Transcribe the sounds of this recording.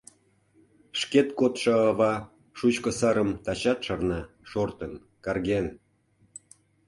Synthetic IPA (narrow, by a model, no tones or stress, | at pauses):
ʃket̪kot̪ʃəːβɑ | ʃut͡ɕkə̆səɾəmt̪ɑt͡ɕɑt̪ʃərnɑ | ʃort̪ən | kɑrɣen